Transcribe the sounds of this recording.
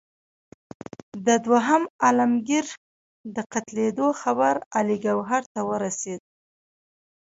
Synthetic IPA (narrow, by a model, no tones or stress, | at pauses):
d̪əd̪waɦamalamɡiɾ | d̪əqat̪led̪oxabaɾaliɡawɦaɾt̪awəɾased̪̚